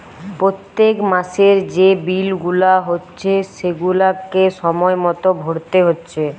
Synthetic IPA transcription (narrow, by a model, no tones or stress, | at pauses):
pɾot̪ːekmaʃeɾd͡ʑebilɡulaɦotːɕʰeʃeɡulakeʃɔmɔemɔt̪obʱoɽt̪eɦotːɕʰe